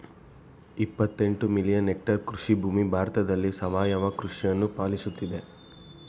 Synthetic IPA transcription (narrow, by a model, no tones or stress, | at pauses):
ipːɐt̪ːe̞ɳʈumilijɐnek̚ʈɐɾkɾuʂibʱuːmibʱaːɾt̪ɐd̪ɐlːisɐʋaːjɐʋɐkɾuʂijɐnːupaːlisut̪ːid̪e